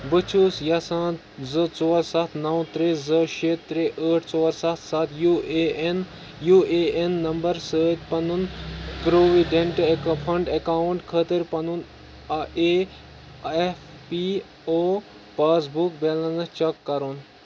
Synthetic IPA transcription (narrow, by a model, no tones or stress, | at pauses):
bɨt͡ʃʰuːsjɐsãːt̪ | zɨt͡soːɾsɐt̪ʰnɐwt̪ɾezɨʃeːtt̪ɾeʔəːʈʰt͡sɔːɾsɐt̪ʰsɐt̪ʰjuen | jueːenːɐmbɐɾsəːt̪pɐnunpɾoːʋiɖẽɳʈpʰɐɳɖɐkaːɳʈkʰət̪əɾpɐnun | e | ef | pi | oː | paːsbukbelɐnɐt͡ʃɐkːɐɾun